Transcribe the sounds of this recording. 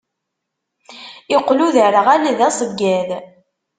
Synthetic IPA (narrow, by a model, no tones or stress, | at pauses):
ɪqːluðəɾəʁæliðæsˤəvɡæð